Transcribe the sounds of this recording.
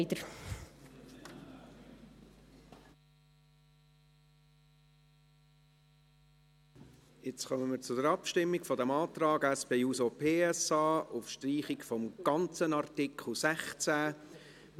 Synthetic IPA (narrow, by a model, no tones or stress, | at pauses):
d̪əɾ | jɪt͡sχœməməɾt͡sʊd̪əɾɑpʃtɪmːikfɔd̪ɛmɑːt̪ɾɑːɡɛspeːuːsopʰeːɛsɑːʊfʃtɾiːχikfɔmɡ̥ɑnt͡sənɑɾtɪkχl̩ˠsæχt͡sæː